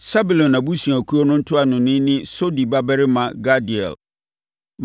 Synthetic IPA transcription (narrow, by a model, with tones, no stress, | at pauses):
sa˦bu˨lɔ̃˨nã˨bu˦su˨a˨kʰu˦o˦nʊ̃˦n̩˦tʰʊ˦a˨nʊ̃˨nɪ̃˦nɪ̃˦so˦di˨ba˦bɛ˦ɾɪ˦mã˨ɡa˦di˨ɛ̰˨l | m